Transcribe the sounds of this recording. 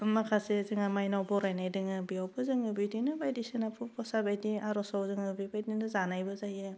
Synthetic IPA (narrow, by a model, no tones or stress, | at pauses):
makʰasezɯŋamajnawbɔɾajnajdɯŋɯbiawbɯzɯŋɯbidinɯbajdisinapʰupʰɔsabajdiaɾɔsawzɯŋɯbibajdinɯzanajbɯzajɯ